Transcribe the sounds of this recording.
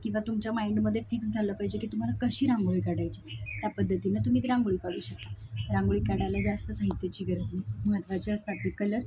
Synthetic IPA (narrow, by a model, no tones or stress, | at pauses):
kĩw̃ʋat̪umt͡ɕjamajɳɖməd̪ʱːjefiksd͡zʱaləːpaɦid͡ʑekiːt̪um̤alakəɕiːɾãŋɡɭikaɽajt͡ɕit̪japəd̪ʱːət̪iːnat̪um̤iːt̪ɾãŋɡɭiːkaɽuːɕək̚t̪aɾãŋɡɭikaɽalad͡zast̪əsaɦit̪jat͡ɕiːɡəɾəd͡znim̤ət̪ʋat͡ɕiəst̪at̪iːkələɾ